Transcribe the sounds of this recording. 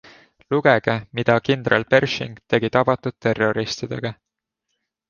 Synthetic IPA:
luɡ̥ɛɡemid̪̥ɑkind̪̥ɾelpe̞rʃḭŋɡ̥t̪e̞ɡit̪ɑb̥ɑt̪ːud̪̥̚t̪ːe̞ro̞ɾist̪id̪̥e̞̰ɡ̥ɑ

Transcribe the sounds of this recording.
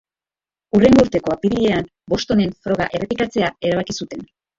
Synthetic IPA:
ure̞ŋɡuɾt̪e̞ko̞apiɾie̞am | bo̞st̪o̞ne̞ɱfɾo̞ɣ̞a̰ʔere̞pikat͡se̞ae̞ɾaβ̞akisut̪e̞n

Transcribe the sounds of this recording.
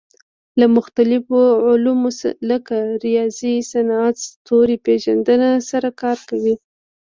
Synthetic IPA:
lamʊxt̪alɪfoʕʊlumosləkaɾijɑzisanat̪st̪oɾipeʒand̪ənasaɾakɑɾkawi

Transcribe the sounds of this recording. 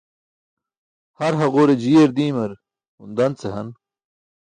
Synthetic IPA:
hɐɾɦɐʁoːɾed͡ʑiːeɾd̪iːmɐɾ | und̪ɐnt͡seɦɐn

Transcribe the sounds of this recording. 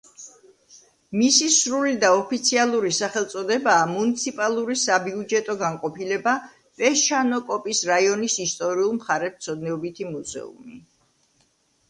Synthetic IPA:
misisɾulid̪aɔpʰit̪sʰialˠuɾisaχɛlˠt̪sʼɔd̪ɛbaːmunit̪sʰipʼalˠuɾisabiud͡ʒɛt̪ʼɔɡaŋqʼɔpʰilɛba | pʼɛʃanɔkʼɔpʼisɾaiɔnisist̪ʼɔɾiulˠmχaɾɛpt̪sʰɔd̪nɛɔbit̪ʰimuzɛ̰ṵmi

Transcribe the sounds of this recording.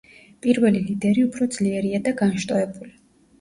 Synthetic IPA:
pʼiɾvɛlilid̪ɛɾiupʰɾɔd̪z̥liɛɾiad̪aɡanʃt̪ʼɔɛbuli

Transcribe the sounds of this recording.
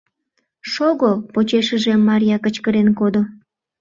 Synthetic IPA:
ʃoɣopot͡ɕeʃəʒemːɑɾʲijɑkət͡ɕkəɾenkod̪o

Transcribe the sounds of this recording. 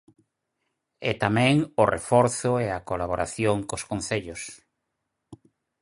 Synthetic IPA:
et̪amɛ̃ŋorʔḛfɔɾθʊeakolaβoɾaθjoŋkoskonθeʎʊs

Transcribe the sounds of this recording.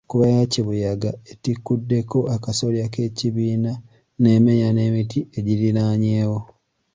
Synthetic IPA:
kuβajaciβujaɡaetikːudːe̞ko̞ʔakaso̞ljake̞ːciβiːna | ne̞me̞ɲane̞ːmitʰie̞ɟiɾiɾaɲe̞ːwo

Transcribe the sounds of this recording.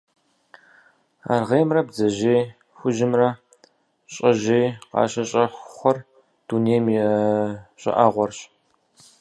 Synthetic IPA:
a̰ːrʁeːjmrɐbzɐʒeː | xʷʊʒɪmrɐ | ɕʼɐʑeːqɑ̰ːɕɐɕʼɐxʷχʷɔr | d̥uneːjmjɛ | ɕʼɐ̰ʔaʁʷɔrɕ

